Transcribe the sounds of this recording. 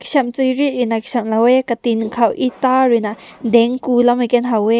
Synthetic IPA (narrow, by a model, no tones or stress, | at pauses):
ki̥sɐmt͡sujɾiʔɾinaki̥sɐmlawɛkat̪inkʰawʔit̪aɹinaʔd̪ɛŋkulamikɛnɦawɛ